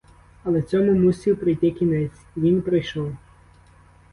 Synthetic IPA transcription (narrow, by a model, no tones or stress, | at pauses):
ɐlˠɛt͡sʲɔmʊmusʲiwpɾɪjt̪ɪkʲinɛt͡sʲiʋʲinpɾɪjʃɔw